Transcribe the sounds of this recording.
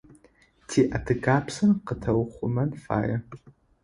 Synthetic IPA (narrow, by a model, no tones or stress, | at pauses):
tʰiːʔɐtʰɨɡaːpʰsɨnqətʰɐwχʷʊmɐnfa̰ːjɐ